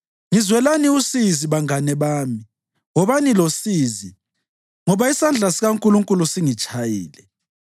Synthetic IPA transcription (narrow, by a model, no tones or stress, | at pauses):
ŋizwɛlaniusiziβaŋanɛβaːmi | ŋɔβanilosiːzi | ŋɔβaisand͡ɮʱasiɣaŋkʼuluŋkʼulusiŋit͡ʃʰʼajḭːlɛ